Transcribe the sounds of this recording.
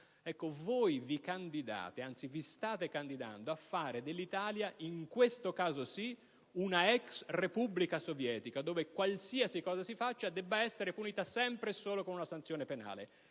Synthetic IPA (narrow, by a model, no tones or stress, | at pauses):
ɛkːovoːjvikand̪id̪a̰ːt̪eant̪sivist̪aːt̪ekand̪id̪a̰nd̪oafːaːɾed̪elːit̪aːljaʔiŋkwest̪okaːzosi | unaɛksrepublikasovjɛːt̪ikad̪oːvekwalsiasikɔːzasifat͡ʃːad̪ɛbːaɛsːeɾepuniːt̪asɛmpɾesoːlokonunasant̪sjoːnepena̰ːlḛ